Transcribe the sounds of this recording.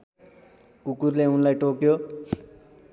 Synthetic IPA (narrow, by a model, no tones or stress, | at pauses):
kukurleunlajʈokjo